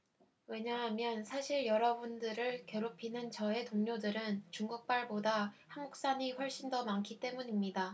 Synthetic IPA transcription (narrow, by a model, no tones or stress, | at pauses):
we̞ɲaɦamjʌnsʰaɕʰiɭjʌɾʌbundɯɾɯɭkjʌɾupʰinɯnt͡ɕʌe̞toŋɲodɯɾɯnt͡ɕuŋɡuk̚p͈aɭbodahaŋɡuk̚s͈aɲiɸwʌɭɕ͈indomaŋkʰit͈e̞muɲimɲida